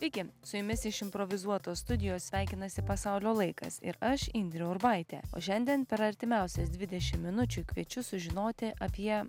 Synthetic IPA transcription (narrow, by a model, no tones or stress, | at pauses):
ɪkʲɪsʊjʊmʲɪsɪʃɪmpɾoʋʲɪzuɔt̪oːst̪ʊd̪ʲɪjoːssʲʋʲæˑɪkʲɪnɐsʲɪpɐsɑʊlʲoːlˠɐɪkɐ̰sɪ̰ɾɐʃinʲd̪ʲɾʲoʊɪɾbɑˑɪt̪ʲḛːo̰ːʃʲɛnʲd̪ʲiɛnpʲɛɾɐɾʲt̪ʲɪmʲɛˑʊsʲɛsd̪ʲʋʲɪd̪ʲɛʃʲɪmːʲɪnʊt͡ʃʲʊːkʋʲiɛt͡ʃʲʊsʊʒʲɪnoːt̪ʲɪʔɐpʲiɛ